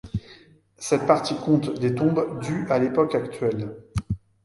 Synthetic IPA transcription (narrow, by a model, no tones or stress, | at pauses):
sɛt̪̚paʁt̪ikɔ̃t̪d̪et̪ɔ̃bd̪yalepɔkakt̪ɥɛl